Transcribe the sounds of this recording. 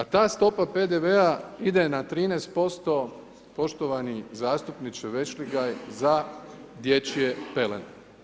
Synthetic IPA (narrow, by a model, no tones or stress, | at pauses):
at̪aːst̪o̞pape̞d̪eʋeaid̪enat̪ɾiːneːst̪̚po̞st̪o̞ | po̞ʃt̪oʋanizaːst̪upnit͡ʃeʋe̞t͡ʃliɡajzad̪jet͡ɕiepelḛn